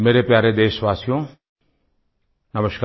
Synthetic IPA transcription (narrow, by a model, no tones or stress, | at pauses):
meːɾepjaːɾed̪eːsʋaːsjõ | nɐməʃk